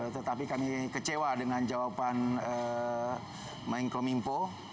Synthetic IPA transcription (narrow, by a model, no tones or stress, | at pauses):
t̪ət̪apikamikət͡ʃewadəŋãnd͡ʒawapanə | mãŋkomimpo